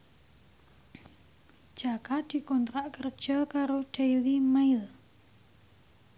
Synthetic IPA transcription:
d̥ʒ̥akad̪̥i̤kɔnt̪ɾaʔkərd̥ʒ̥ɔkaɾoɖ̥aiwimaɪl

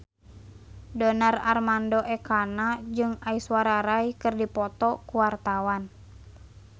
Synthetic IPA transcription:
dɔnararmandɔʔɛkanad͡ʒɨŋaiswaɾaɾaikɨrdipɔt̪ɔkuwart̪awan

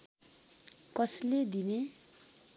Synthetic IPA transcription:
kʌsled̪ine

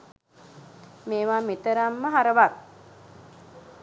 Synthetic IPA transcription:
meːʋaːmet̪əɾamːəɦaɾəʋat

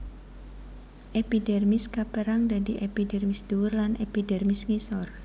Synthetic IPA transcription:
ʔepidɛrmɪskapəɾaŋdadiʔepidɛrmisd̥uwʊrlanepidɛrmɪsŋisɔr

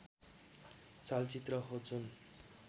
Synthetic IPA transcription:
t͡salt͡sit̪rʌɦot͡sʰun

